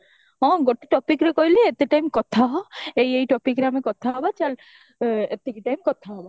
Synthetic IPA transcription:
ɔ̃ɡɔʈeʈɔpikɾekɔjleet̪eʈajmkɔt̪ʰaɦɔejejʈɔpikɾeamekɔt̪ʰaɦɔbat͡ʃal | et̪ːikiʈajmkɔt̪ʰaɦɔba

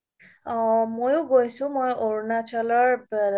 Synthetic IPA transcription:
mojũɡojsũmojoɹnat͡ʃʰɔlɔɹb

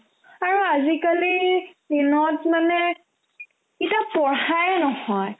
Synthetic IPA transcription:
aɹuazikalidinɔtmanɛ | kitapɔɹajnɔhɔj

